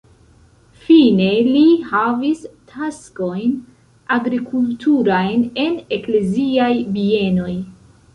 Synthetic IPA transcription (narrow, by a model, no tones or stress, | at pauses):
fine̞lihavistʰasko̞jn | aɡɾikʰultʰuɾajne̞ne̞kle̞ziajbie̞no̞j